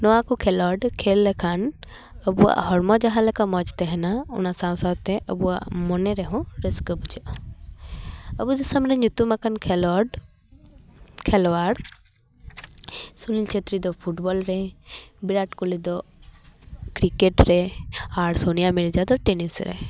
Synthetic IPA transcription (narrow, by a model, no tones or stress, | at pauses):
nɔakukʰɛlɔɖkʰelːɛkʰan | əbua̰ʔɦɔɾmɔd͡ʒaɦalɛkamɔd͡ʒt̪ɛɦɛnaṵnasaw̃sat̪ɛʔə̰bua̰mɔnɛɾɛɦɔ̃ɾeskəbud͡ʒɔʔɔ | əbud̪ɐsamnɛɲut̪umakankʰɛlɔɖ | kʰɛlɔaɾ | sulilt͡ʃʰet̪ɾid̪ɔpʰuʈbɔlɾɛbiɾaʈkulid̪ɔ | kɾikeʈɾɛaɽsonijamiɽd͡ʒad̪ɔʈenisɾɛ̰